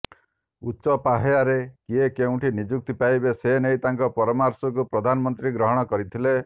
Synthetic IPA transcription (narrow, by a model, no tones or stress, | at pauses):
utːʃɔpaɦejaɾekiekeũʈʰinid͡ʒuk̚t̪ipajbesenejt̪aŋkɔpɔɾɔmaɾsɔk̬upɾɔd̪ʱanɔmɔnt̪ɾiɡɾɔɦɔɽ̃ɔkɔɾit̪ʰile